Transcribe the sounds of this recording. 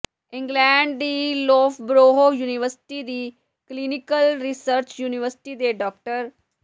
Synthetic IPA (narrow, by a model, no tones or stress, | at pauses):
ɪ̃ŋɡlɛ̃ːɳɖd̪iːlɔːfʰbɾoːɦoːjuːnɪʋəɾsɪ̥ʈiːd̪iː | kliːnɪkəlɾisəɾt͡ʃjuːnɪʋəɾsɪ̥ʈiːd̪eːɖɔːk̚ʈəɾ